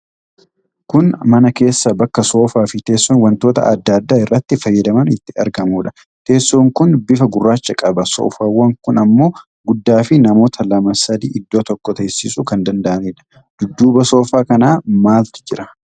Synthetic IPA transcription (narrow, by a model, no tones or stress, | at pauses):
kʊnmɐnɐke̞ːsːɐbɐkːɐso̞ːfaːfɪt̪e̞ːsːoːnwɐnt̪oːt̪ɐ̰ɐd̪ːaːd̪ːaːɪrːɐt̪ːɪfɐjːɐd̪ɐmɐnɪt̪ːɪɐ̰ɾɡɐmuːᶑɐ̥ | t̪e̞ːsːoːŋkʊnbɪfɐɡʊrːaːt͡ʃːɐkʼɐbɐso̰ːfaːwɐŋkʊnɐmːo̞ː | ɡʊd̪ːaːfɪnɐmoːt̪ʰɐlɐmɐsɐd̪iːʔɪd̪ːo̞ːt̪ɔkːɔt̪ɐsːɪsʊkɐnd̪ɐnd̪ɐʔɐneːᶑɐ̥ | d̪̥ʊd̪ːuːbɐso̞ːfaːkɐnaːmaːlt̪ɪ̥d͡ʒɪɾɐ